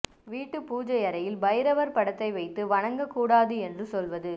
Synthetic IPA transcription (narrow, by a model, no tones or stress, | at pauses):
ʋiːʈːɯpuːd͡ʒɐjɐɾɐjɪlbɐjɪɾɐʋɐɾpɐɽɐt̪ːɐɪʋɐɪt̪ːɯʋɐɳɐŋɡɐkːuːɽaːðɯɛndrɯsɔlʋɐðɯ